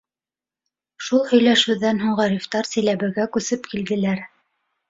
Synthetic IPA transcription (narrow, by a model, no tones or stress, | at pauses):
ʃulˠhɵ̆jlæʃʉðænɦuɴʁɑɾift̪ɑɾsɘ̆jlæβɘ̆ɡækʉsɘpkild̪ɘ̆læɾ